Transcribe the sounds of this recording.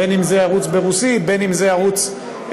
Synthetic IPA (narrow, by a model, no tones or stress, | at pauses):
enimzeaʁut͡sbe̞ʁusibe̞nimzeaʁut͡s